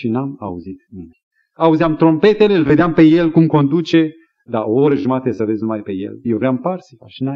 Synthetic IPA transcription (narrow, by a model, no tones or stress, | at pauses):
ʃinama̰uzit̪nim | auziamt̪ɾo̞mpe̞t̪e̞lelve̞d̪eampe̞je̞lkumko̞nd̪ut͡ʃe̞ | d̪aooɾəʒumat̪esəvezʲnumajpe̞jḛljewɾeamparsiaʃina